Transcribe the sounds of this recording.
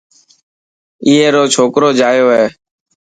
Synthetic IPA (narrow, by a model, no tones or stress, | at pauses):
iːeːɾoːt͡ʃʰoːkɾoːd͡ʒaːjoːɦeː